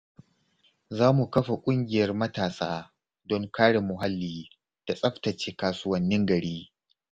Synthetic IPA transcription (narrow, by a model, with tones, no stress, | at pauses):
zaː˦mu˨kɐ˦ɸa˨kʷʼʊ˦ŋɡʲɪ˨jɐ˦rmɐ˦taː˨sa̰ː˦ | dɔ˦ŋkaː˦ɽe˨mʊ˨ɦa˦lːiː˨˦ | d̥a˨sʼɐ˦ɸtɐ˨t͡ʃeː˦kaː˨sʊ˦wɐ˦nːɪ˦ŋɡɐ˨ɽiː˦